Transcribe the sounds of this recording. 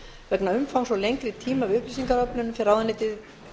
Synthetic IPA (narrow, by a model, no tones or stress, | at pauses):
vɛknaʏmfawmsvɔlejŋkɾɪt̪ʰiːmavʏhplisiŋkaɾœpnʏnʏmfɪɾawðanɪːt̪ɪð